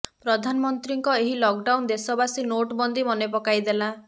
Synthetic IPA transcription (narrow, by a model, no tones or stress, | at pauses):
pɾɔd̪ʱanɔmɔnt̪ɾiŋkɔeɦilɔk̚ɖawnd̪esɔbasinoʈbɔnd̪imɔnepɔkajd̪ela